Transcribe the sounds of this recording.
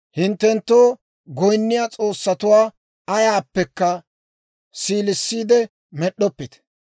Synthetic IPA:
hɪnt̪ːɛnt̪ːoː | ɡɔjnːɪjaːt͡sʼo̞ːsːɐt̪ʊwaː | ɐjaːpːɛkːɐ | siːlɪsːiːd̪ɛ | mɛɗːɔpːɪt̪

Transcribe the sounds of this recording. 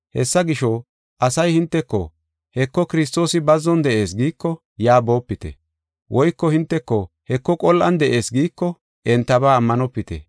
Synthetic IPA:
hɛ̰sːɐɡɪʃɔ | ʔɐsɐjhɪnt̪ːɛkːɔ̰ | hɛkːɔkɪɾɪst̪o̞ːsɪbɐzːɔnd̪ɛʔe̞ːsɡiːkːɔ | jaːbo̞ːpːɪt̪ɛ̰ | wʔɔjkːɔhɪnt̪ːɛkːɔ | hɛkːɔkʼɔlːʔɐnd̪ɛʔe̞ːsɡiːkːɔ | ʔɛnt̪ːɐbaːmːɐnɔpːɪt̪ɛ̰

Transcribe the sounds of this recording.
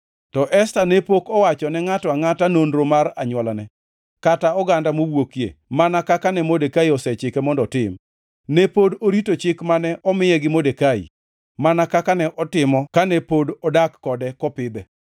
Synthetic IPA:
tɔʔɛstanɛpokɔwat͡ʃɔnɛŋatɔaŋatanonɾomaɾaɲwɔlanɛ | kataɔɡandamowwokjḛmanakakanɛmodekaiɔsɛt͡ʃɪkɛmɔndɔtɪm | nɛpodoɾitot͡ʃɪkmanɛʔɔmɪjɛɡɪmodekaḭ | manakakanɛʔɔtɪmɔkanɛpodɔdakːɔdɛkɔpɪd̪ɛ

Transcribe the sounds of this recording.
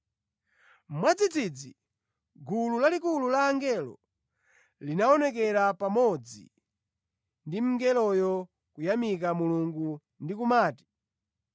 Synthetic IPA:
mwad͡zid͡zid͡zi | ɡululalikululaːŋɡɛlɔ̰ | linaɔnɛk̬ɛɾapamɔd͡zḭ | ndim̩ŋɡɛlɔjɔ | kujamik̬amuluŋɡu | ndikumaːti̥

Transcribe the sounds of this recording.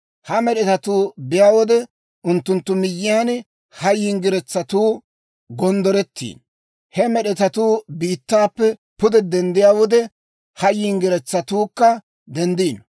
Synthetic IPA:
hɐmɛɗɛt̪ɐt̪uːbɪjaːwɔd̪ɛ | ʔʊnt̪ːʊnt̪ːʊmɪjːɪjaːn | hɐjiːŋɡɪɾɛt͡sːɐt̪uː | ɡɔnd̪ɔɾɛt̪ʰːḭːn | hɛmɛɗɛt̪ɐt̪uːbiːt̪ːaːpːɛpʊd̪ɛd̪ɛnd̪ɪjaːwɔd̪ɛ | hɐjːiːŋɡɪɾɛt͡sːɐt̪uːkːɐ | d̪ɛnd̪iːn

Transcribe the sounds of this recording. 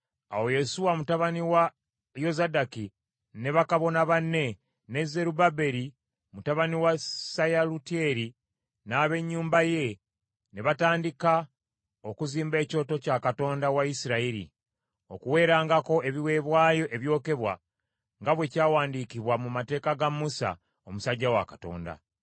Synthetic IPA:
a̰wo̞je̞suwamutaβaniwa | jo̞zadaki | ne̞βakaβo̞naβanːe̞ | ne̞zːe̞ɾubabe̞ɾi | mutaβaniwasajalutieɾi | naːβe̞ɲːuːmbaje̞ | ne̞βataːndika | o̞kuziːmbe̞ːco̞ːto̞cakato̞ːndawaisiɾaiɾḭ | o̞kuwe̞ːɾaːŋɡako̞e̞βiwe̞ːβwaːjo̞ʔeβjo̞ːke̞βwa̰ | ŋɡaβwe̞caːwaːndikiβwamumate̞ːkaɡamːusa̰ | omusaɟːawa̰kḁto̞̰ːnda̰

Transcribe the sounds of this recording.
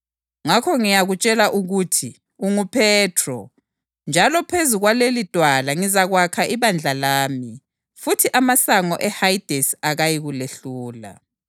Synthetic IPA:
ŋakʰɔŋijaɣut͡ʃʼɛlaʔuɣutʰi | uŋupʰɛːtʰrɔ̰ | nd͡ʒʱalɔpʰezuɣwalelid̥ʼʱwalaŋizaɣwakʰaʔiβand͡ɮʱalaːmi | futʰiʔamasaŋɔʔɛhajd̥ʱɛsaɣajiɣuleɬuːla̰

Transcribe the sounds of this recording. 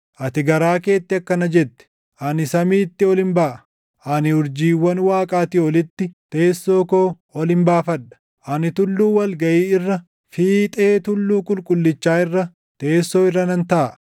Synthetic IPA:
ʔɐt̪ɪɡɐɾaːke̞ːt̪ːɪɐkːɐnɐd͡ʒɛt̪ːɛ̥ | ʔɐnɪsɐmiːt̪ːɪɔlɪnbaːʔɐ̥ | ʔɐnɪʊɾd͡ʒiːwːɐnwaːkʼaːt̪iːɔlɪt̪ːɪt̪e̞ːsːo̞ːkoː | ɔlɪmbaːfɐᶑːɐ̥ | ʔɐnɪt̪ʊlːuːwɐlɡɐʔiːɪrːɐ | fiːt̪ʼe̞ːt̪ʊlːuːkʼʊlkʼʊlːɪt͡ʃːaːɪrːɐ | t̪e̞ːsːo̞ːɪrːɐnɐnt̪ɐʔ

